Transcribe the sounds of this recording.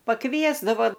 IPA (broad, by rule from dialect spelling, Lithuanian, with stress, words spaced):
pɐˈkʋʲiɛzdɐʋoː